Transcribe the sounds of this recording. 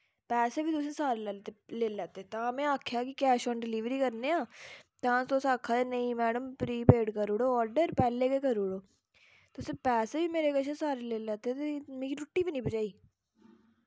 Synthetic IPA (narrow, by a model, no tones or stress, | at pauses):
pɛːseːbʱiːd̪ʊsẽsaːɾlɛt̪eleːlːɛːt̪et̪ãːmẽːaːkʰjaːkikɛːʃɔːnɖɪliːʋɾiːkəɾneːãːt̪ãːsoːsaːkʰːaːt̪eːnəĩːmɛːɖəmpɾiːpeːɖkəɾʊɽoːɔːɾɖəɾpɛːleːkeːkəɾʊɽoː | t̪ːʊsẽːpɛːseːbiːmeːɾeːkəʃʰə̃saːɾeleːlɛːt̪et̪emẽːɡiʈʊʈːiːbiːnĩbəd͡ʒaːiː